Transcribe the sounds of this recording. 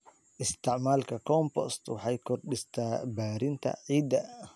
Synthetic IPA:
ʔɪst̪ʰɪʕmaːlkʰɐkʰɔmpɔ̰st̪wɑħɑjkʰɔrɗɪst̪ʰaːbaːɾɪnt̪ʰɐ̰ʕiːd̪ɐ

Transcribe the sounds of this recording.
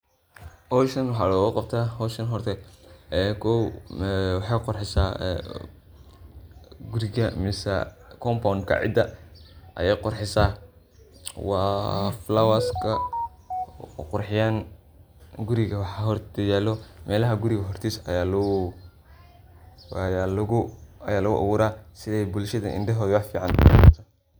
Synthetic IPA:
hɔʃɐnwɑħɑːlɔɣʊqɑbt̪ʰaːhɔːʃɐnɦɔrt̪ʰɛ | kʰɔ | wɑħɑjqʊrħɪsa̰ː | ɡʊɾɪɣɐmɪsɐ̰kʰɔmpɔŋkʰɐ̰ʕɪ̰d̪ɐʔɐ̰jɛjqʊrħɪsaː | wɑːflawaskʰɐ | qʊrħɪjan | ɡʊɾɪɣɐwɑħɑɦɔɾɐjaːlɔmʔɛːlɐɦɐɡʊɾɪɣɐɦɔrt̪ʰiːsɐ̰jaːlʊ | jlʊɐjaːlɐɣʊ̰ʔɔ̰ɣʊɾaːsɪðɛjbʊlʃɐðɐ̰ʔɪ̰nɖɛɦɔːðwɑfiːʕɑntaː

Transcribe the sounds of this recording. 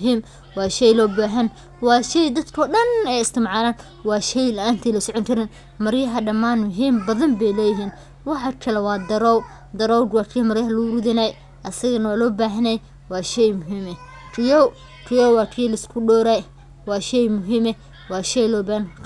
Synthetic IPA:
ɦiːm | wɑːʃɛjlɔːbaːɦɐn | wɑːʃɛjd̪ɐd̪kʰɔːɗɐnɛjɪst̪ʰɪmʕɑːlaːn | wɑːʃɛjlɐʔaːnt̪ʰɛlɐsɔʕɔŋkʰɐɾɪn | mɐɾjɐɦɐɖɐmaːnmʊɦiːmbɐðɐmbɛjlɛːjɪɦiːn | wɑħɑkʰɐlɛwɑːd̪ɐɾɔːw | d̪ɐɾɔwdwɑːkʰijmɐɾjɐɦɐlʊɾʊðɪnaj | ʔɐsɐɣɐnɐwaːlɔːbaːɦɐnɛj | wɑːʃɛjmʊɦiːmɛ | rʰɪjɔw | rʰɪjɔwwɑːkʰijlɐɪskʰʊɗɔːɾaj | wɑːʃɛjmʊɦiːmɛ | wɑːʃɛjlɔːbaːhɐn

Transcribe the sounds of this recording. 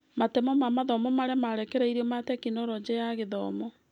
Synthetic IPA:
matemɔmamaðɔmɔmaɾɛmaɾɛkɛɾaiɾiɔmatɛkinɔɾɔd͡ʑɛjaɣeðɔmɔ

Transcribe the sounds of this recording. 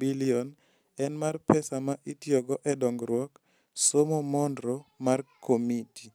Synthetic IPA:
biliɔn | ɛnmarpɛsamaʔitjɔɡɔʔɛdɔŋɡɾwɔk | somomɔndɾɔmarkʰomiti

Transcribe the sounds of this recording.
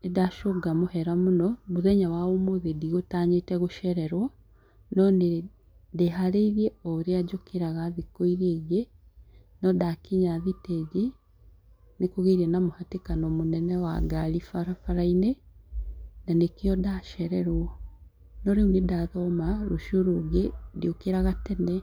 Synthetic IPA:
nedaʃoɡamohɛɾamonɔmoðɛɲawaomoðediɣotaɲetɛɣoʃɛɾɛɾwɔ | nɔne | deɦaɾeiðiɛɔɾead͡ʒokʰeɾaɣaðikoiɾeɣje | nɔdakiɲaðitɛɣe | nekoɣeɾiɛnamohatekanɔmonɛnɛwa̰ɡaɾifaɾafaɾaine | nanekeɔdaʃɛɾɛɾwɔ | nɔɾeunedaðɔmaɾoʃoɾoɡediokeɾaɣatɛnɛ

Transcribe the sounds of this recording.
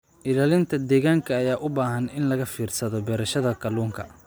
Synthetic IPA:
ʔɪlaːlɪnt̪ʰɐd̪ɛːɣaːŋkʰɐːjaːʔʊbaːɦɐnɪnlɐɣɐfiːrsɐðɔbɛːɾɐʃɐðɐkʰɐluːŋkʰɐ

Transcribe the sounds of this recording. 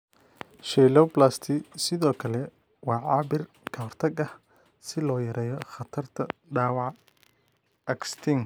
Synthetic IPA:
ʃɛjlɔwblaːst̪ʰɪsɪðɔːkʰɐlɛ | wɑːʕɑːbɪr | kʰɐhɔrt̪ʰɐɡɐh | sɪlɔːjɐɾɛːjɔχɐt̪ʰɐrt̪ʰɐɖaːwɑʕ | ɐkst̪ʰɪŋ

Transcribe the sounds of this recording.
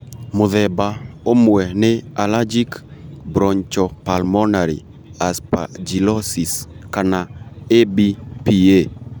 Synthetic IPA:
mʊðɛbaomwɛnɪalad͡ʒikbɾɔɲt͡ʃɔpalmɔnaɾḭ | aspa̰d͡ʒilɔsiskanaebipie

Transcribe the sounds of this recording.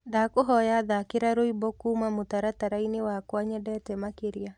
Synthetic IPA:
dakoɦɔjaðakeɾaɾoibɔkumamotaɾataɾainewakwaɲɛdɛtɛmakeɾia

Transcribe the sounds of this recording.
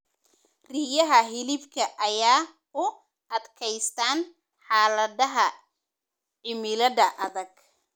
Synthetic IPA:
riːjɐɦɐɦɪlɪbkʰɐʔɐjaː | ʊ | ʔɐd̪kʰɛjst̪ʰaːn | ħaːlɐðɐɦɐ | ʕɪmɪlɐðɐʔɐðɐɡ̚

